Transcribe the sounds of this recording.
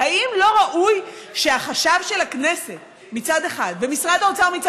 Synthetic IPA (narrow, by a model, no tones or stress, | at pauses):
aʔimlo̞ʁaʔujʃe̞aχaʃavʃe̞laknese̞t̪ | mit͡sad̪e̞χad̪vemisʁad̪aot͡saʁmit͡sa